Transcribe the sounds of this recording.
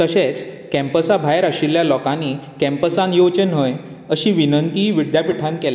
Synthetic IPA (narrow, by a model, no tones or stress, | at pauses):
təɕet͡s | kɛ̃mpəsabʱajəɾaɕiljalɔkanikɛ̃mpəsãnjot͡ɕənɦəj | əɕiːʋinənt̪iʋiɖ̪japiʈʰãnkela